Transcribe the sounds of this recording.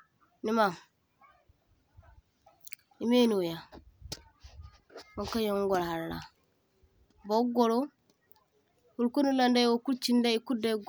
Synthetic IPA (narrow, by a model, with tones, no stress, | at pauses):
ni˨˦ma˨ | i˨me˦nu˨ja˨ | wɔ˦ŋka˦jɔ˦ŋ˦ŋɡɔ˨lha˨ɾla̰˨ | bɔ˦ɡɔ˦lɔ˦ | hu˨lku˦nu˦landa˦jwɔ˦ku˦lt͡ʃi˦nda˦i˦ku˦da˦ɡ